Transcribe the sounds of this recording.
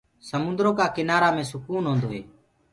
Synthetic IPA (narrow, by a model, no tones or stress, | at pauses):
səmʊ̃nd̪ɾoːkaːkɪnaːɾaːmẽːsʊkuːnɦõːnd̪oːɦḛː